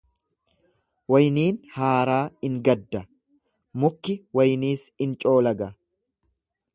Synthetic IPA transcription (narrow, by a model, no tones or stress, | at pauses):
wɐjniːnhaːɾaːɪŋɡɐd̪ːɐ | mʊkːɪwɐjniːsɪnt͡ʃʼo̞ːlɐɡɐ